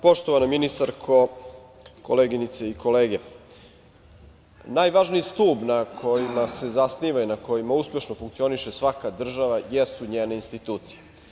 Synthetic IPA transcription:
po̞ʃt̪oʋanominist̪aɾkʰo̞ | koleːɡinit̪se̞iko̞leːɡe̞ | naːjʋaʒniist̪uːbnakʰo̞jimase̞zasniːʋainako̞jimauspʲje̞ʃnofuŋkt̪sio̞niʃe̞sʋakad̪r̩ʒaʋajesuɲeːne̞inst̪it̪uːt̪sije

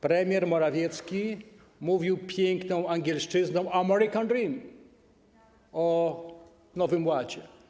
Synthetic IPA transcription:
pɾɛmʲjɛɾmɔɾavʲjɛt̪skʲi | muvʲiwpʲjɛŋknɔ̃w̃aŋɡʲjɛlʂt͡ʂɘznɔ̃w̃amɛɾikãnɾim | ɔ | nɔvɘmwad͡ʑɛ

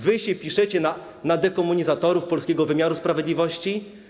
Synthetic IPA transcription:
vɘɕɛpʲiʂɛt͡ɕɛna | nad̪ɛkɔmːuɲizat̪ɔɾufpɔlskʲɛɡɔvɘmʲaɾuspɾavʲjed̪lʲivɔɕt͡ɕi

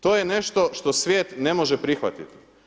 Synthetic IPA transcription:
t̪o̞ːjene̞ʃt̪o̞ʃt̪o̞sʋjeːt̪ne̞mo̞ʒepɾixʋa̰t̪it̪i̥

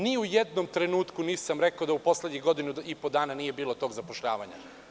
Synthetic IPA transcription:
niujed̪no̞mt̪ɾe̞nuːt̪kuniːsamɾekaod̪aupo̞sle̞d̪ɲiɣɡo̞d̪inuipod̪aːnaniːje̞biːlˠo̞t̪o̞ːɡzapoʃʎa̰ːʋaɲa̰

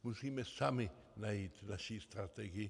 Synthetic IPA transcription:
musimesami | nait̪naʃist̪ɾat̪eɡi

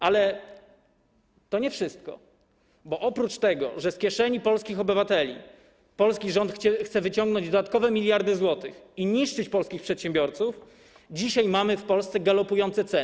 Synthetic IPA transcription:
alɛ | t̪ɔɲɛfʂɘst̪̚kɔ̰ | bɔʔɔpɾut͡ʂt̪ɛɡɔ̰ʐɛskʲɛʂɛɲipɔlskʲixɔbɘvat̪ɛlʲḭ | pɔlskʲiʐɔnt̪xt͡ɕɛxt̪sɛvɘt͡ɕɔŋɡnɔɲd͡ʑd̪ɔd̪at̪̚kɔvɛmʲilʲjaɾd̪ɘzwɔt̪ɘxiɲiʂt͡ʂɘt͡ɕpɔlskʲixpʂɛt̪ɕɛmbʲjɔɾt̪suf | d͡ʑiɕajmamɘfpɔlst̪sɛɡalɔpujɔnt̪sɛt̪sɛ

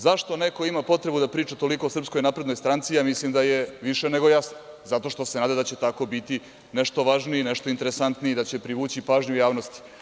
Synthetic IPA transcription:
zaʃt̪o̞ne̞ko̞imapo̞t̪ɾe̞bud̪apɾiːt͡ʃat̪o̞liko̞osr̩psko̞jnapɾed̪nojst̪ɾant̪sijaːmislimd̪aje̞ʋiʃene̞ɡo̞jasno | zat̪o̞ʃt̪o̞se̞naːd̪ad̪at͡ɕe̞t̪ako̞bit̪i | ne̞ʃt̪o̞ʋaːʒnine̞ʃt̪oint̪eɾesant̪niid̪at͡ɕe̞pɾiʋuːt͡ɕipaːʒɲujaːʋnost̪i̥

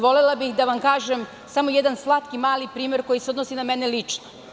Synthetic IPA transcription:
ʋo̞lelabixd̪aʋamkaːʒem | samo̞jed̪anslˠat̪kimaːlipɾiːme̞ɾko̞jiseod̪nosinamenelit͡ʂno

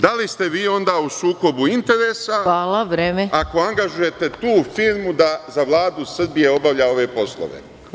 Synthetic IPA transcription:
d̪alist̪e̞ʋiːo̞nd̪aːusuːko̞buint̪e̞ɾeːsaaːlaʋɾeːmeako̞aŋɡaʒuje̞t̪e̞t̪uːfiːɾmud̪azaʋlˠaːd̪usr̩bije̞o̞baʋʎao̞ʋe̞ːpo̞slˠo̰ʋḛ

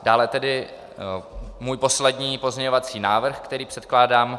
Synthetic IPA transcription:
d̥aːlɛt̪ɛdɪ | muːjpo̞slɛdɲiːpozɲɛɲovat͡siːnaːvr̩xkt̪ɛɾiːpr̥ɛt̪̚klaːdaːm

